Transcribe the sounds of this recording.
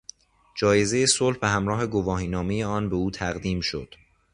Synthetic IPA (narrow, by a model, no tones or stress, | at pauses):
d͡ʒɒːje̞ze̞jesolhbeɦæmɾɒːɦe̞ɡovɒːɦiːnɒːmejeɒːnbe̞uːt̪ʰæɣd̪iːmʃo̰d̪̥